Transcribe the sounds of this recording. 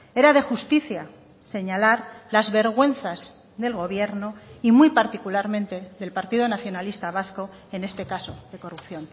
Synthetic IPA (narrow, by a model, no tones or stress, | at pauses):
e̞ɾaðe̞xust̪iθja | se̞ɲalaɾlazβe̞ɾɣwe̞n̟θaz | ðe̞lɣo̞β̞je̞ɾnoimujpaɾt̪ikulaɾmẽ̞nt̪e̞ðe̞lpaɾt̪iðo̞naθjo̞nalist̪aβ̞asko̞ | e̞ne̞st̪e̞kasoðe̞ko̞rupθjo̞n